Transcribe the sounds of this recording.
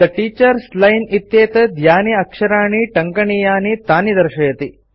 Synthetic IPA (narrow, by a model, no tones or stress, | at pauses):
d̪ɐʈiːt͡ʃɐɾslɐjnit̪jeːt̪ɐd̪ʱjaːniɐkʂɐɾaːɳiʈɐŋkɐɳijaːnit̪aːnid̪ɐɾʃɐjɐt̪i